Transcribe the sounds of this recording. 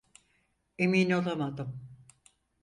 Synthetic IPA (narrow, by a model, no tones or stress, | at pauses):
emiːno̞lˠamad̪ɯm